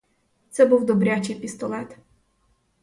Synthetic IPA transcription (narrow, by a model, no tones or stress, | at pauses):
t̪sɛbuwd̪ɔbɾʲat͡ʃejpʲist̪ɔlˠɛt̪